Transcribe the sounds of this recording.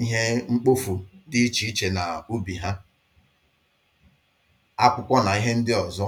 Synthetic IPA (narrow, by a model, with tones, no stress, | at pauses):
i˦ɦe˦ŋ͡m̩˦k͡po˦fu˨dɪ˦i˦t͡ʃi˨i˦t͡ʃe˨na˨u˦bi˨ɦa˦ | a˦kʷʊ˦kʷɔ˦na˨i˦ɦe˦n̩˦dɪ˦ɔ˨zɔ˦